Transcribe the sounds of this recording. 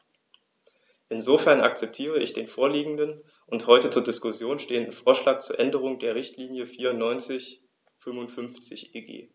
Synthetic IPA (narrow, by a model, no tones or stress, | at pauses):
ʔɪnzofɛɐna̰k̚t͡sɛp̚tʰiːʁ̞əɪçd̥eːnfoːɐliːɡŋ̩dən | ʔʊnthɔʏtət͡suːɐdɪskʊsjoːnʃteːəndn̩foːɐʃlaːk̚t͡suːɐʔɛndəʁ̞ʊŋdeːɐʁ̞ɪçtliːnjəfiːɐʊntnɔʏnt͡sɪç | fʏmvʊntfʏnft͡sɪçʔeːɡḛː